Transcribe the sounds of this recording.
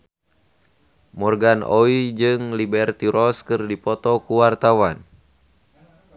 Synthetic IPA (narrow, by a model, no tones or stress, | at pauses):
mɔrɡanʔɔid͡ʒɨŋlibɛrt̪iɾɔskɨrdipɔt̪ɔkuwart̪awan